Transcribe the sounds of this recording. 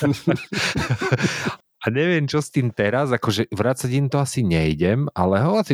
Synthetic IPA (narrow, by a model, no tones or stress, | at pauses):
aɲɛʋɪɛmt͡ʃɔst̪iːmt̪ɛɾazakɔʒɛʋɾat͡saɟimt̪ɔasiɲɛjɟɛma̰lɛɦɔasi